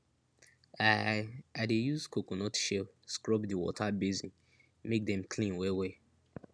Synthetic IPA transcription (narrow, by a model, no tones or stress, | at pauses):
aadejuzkʰokonɔtʃeskɹɔbdiwɔ̰tʰabizĩn | mek̚dɛ̃mkʰlĩnwewe